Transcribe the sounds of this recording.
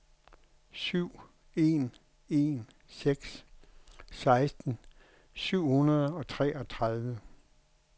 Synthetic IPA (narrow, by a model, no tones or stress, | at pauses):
syʊ̰ | e̝ːn | e̝n | seɡ̥s | sɑ̈ɪsd̥n̩ | syʊ̰hunɐð̞ˠɒ̽t͡sʰʁɛːɒ̽t͡sʰʁɑð̞ˠʋə